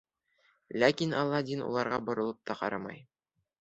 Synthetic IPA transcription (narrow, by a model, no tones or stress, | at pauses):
lækinɑlˠːɑd̪inṵlˠɑɾʁɑbŏɾŏlˠɤp̚t̪ʰɑqɑ̰ɾɑmɑ̰j